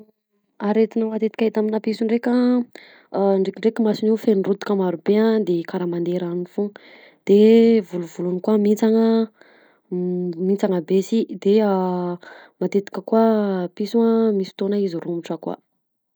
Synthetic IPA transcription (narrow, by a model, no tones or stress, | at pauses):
aɾet̪inəmat̪et̪i̥kʲaet̪aminapisuɳɖ͡ʐekʲa | ɳɖ͡ʐekʲiɳɖ͡ʐekəmasiniwfenrut̪i̥kamaɾubead̪ekaɾamand̪eɾanifuŋ | d̪̥evuluvulunikuəmit͡saŋə | mint͡saŋəbesid̪e | mat̪et̪i̥kʲəkuəpisuəmisi̥t̪onaizirumiʈ͡ʂəkuə̰